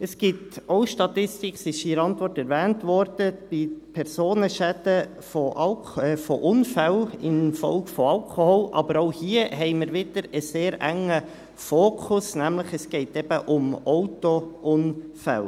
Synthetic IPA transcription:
əsɡ̥ɪtoʊʃtɑt̪ɪstɪksɪʃiːɾɑntʋɔrtɛɾʋæːntʋɔɾd̥əb̥ɪpʰɛɾsoːnəʃæd̪̥ə | fɔʔɑl | ɛfɔʔʊnfælɪnfɔ̰lɡ̥fɔɑlkʰoholʔɑ̰b̥əɾoʊhiəɦɛɪməɾʋɪd̪̥əɾəseːɾæŋə | foːkʰʊsnæmləχɛsɡ̥ɛɪtɛb̥əʔʊmɔʊtoʔʊnfæ̰l

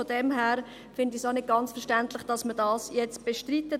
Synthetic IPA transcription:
odɛmɦæːɾ | fɪndisaʊnɪd̚ɡ̥ɑnt͡sfɛɐʃtæntlɪχd̥ɑsmədɑːsjɛt͡stb̥eʃtɾitːə

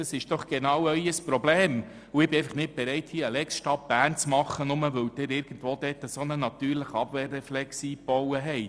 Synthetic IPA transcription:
dɑsɪʃd̥ɔχɡ̥enɑwœʏəspɾobleːm | uɪb̥ɪɛɪfəχnɪt̚b̥eɾɛɪthiːəlɛksʃtɑp̚b̥æːnt͡smɑχːənʊməʋɵwd̥ɪɾɪɾɡ̥ən̩tʋoːd̥̪ɛːt̪əsonənɑt̪yːɾləχəɑb̥ʋeːrːɛflɛksiːpɔwəɦɛɪ

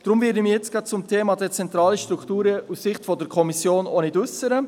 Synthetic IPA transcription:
d̥ɾʊmvɪːɾdəmijɛt͡sɡ̥ɑd̚t͡sʊmtʰeːmɑdɛt͡sɛnt̪ɾɑːləʃtɾuktuːɾəussɪχtfɔdəɾkʰɔmisjoːnonɪdʉsəɾə

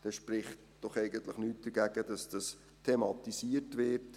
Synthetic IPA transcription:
d̥ɛʃpɾɪχt | d̥ɔχɛɪɡəntləχnyːt̚d̥əɡæːɡəd̥ɑsd̥ɑs | tʰemɑtisiːətʋɪɾt

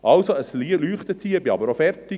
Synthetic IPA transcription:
ʔɑlsoəsliːlyːχt̪ət̪ʰiːbiɑbəɾofɛɾtɪ

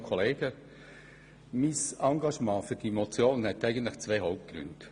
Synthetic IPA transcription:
kʰɔleːɡ̥ə | misɑŋɡɑʃmɑ̃ːfyɾd̥imot͡sjoːnnhɛt̪æɪɡən̩t̪lɪχt͡sʋeɪɦɔʊp̚t̚ɡ̥ɾʏ̰nd

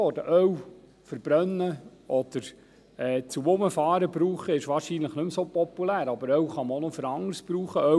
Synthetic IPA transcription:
ɔdəʔœw | fəɾb̥ɾœnːəʔɔd̪̥əɾ | ɛːt͡sumʊməfɑːɾəbɾuːχəɪʃʋɑːɾʃinləχnɵmsopɔpːulæːɾɑbəɾœwχɑməonɔfəɾɑŋəɾsb̥ɾuːχəœ

